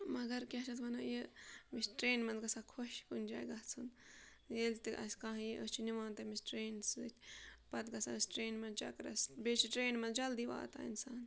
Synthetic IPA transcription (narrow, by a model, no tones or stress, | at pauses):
mɐɡɐɾkʲɐt͡ʃʰɐt̪ʋɐnajemisʈɾeːnmɐnzɡɐsaːkʰoʃkunʲd͡ʒa̰ːjɡɐt͡sʰun | jelt̪iʔɐ̰sʲkãːɦiʔəst͡ʃʰiniʋãːnt̪ɐmisʈɾeːnsɨt̪ʰʲpɐt̪ɡɐsa̰misʈɾeːnmɐnt͡ʃɐ̰kɾɐ̰sbeːt͡ʃʰiʈɾeːnmɐnd͡ʒɐld̪iʋa̰ːt̪a̰ːinsaːn